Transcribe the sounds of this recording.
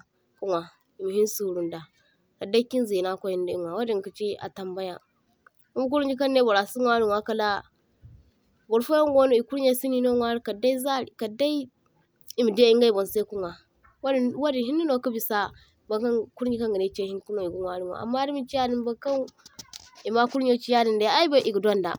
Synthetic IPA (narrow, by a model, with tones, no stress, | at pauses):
ku˦ŋwa˨ | i˨mi˨hi˦su˨ɾu˨nda˨ | ka˨da˦ki˦n˦zi˨na˦˨ko˦ji˦ndi˦i˦ŋwa˨wa˦di˨ŋ˨ki˨t͡ʃi˦a̰˨ta˨mba˦ja˨ | ku˦m˦k̬u˦ɾd͡ʒi˦ka˦nːe˦bo˨ɾa˨si˦ŋʷa˦ɾi˦ŋʷa˦ka˦la˦ | bo˨ɾfo˦jo˦ŋ˦ɡo˦no˦i˨ku˦ɾɲa˦si˦ni˦no˦ŋʷa˦ɾi˦ka˨da˦i˦za˦˨ka˨da˦i˦ | i˦mi˨de˦i˦ŋɡa˦i˨bo˨n˨se˦ku˦ŋa˨ | wwa˦di˨ɦi˦ndi˦no˨ku˦bi˨sa˦ | ba˨kku˦ɾi˦ka˦ŋɡi˨ne˨˦t͡ʃe˦hi˦n˦ku˦no˦˨i˨ɡu˦ŋʷa˦ɾi˨ŋʷa̰˨a̰˨mːa˦di˦mi˨t͡ʃi˦ja˦di˨nba˦ka˦n | i˨ma˦ku˦ɾɲ˦o˦t͡ʃi˦ja˦di˨nda˨ja˦i˦ba˦˨i˨ɡu˨da˦nda̰˨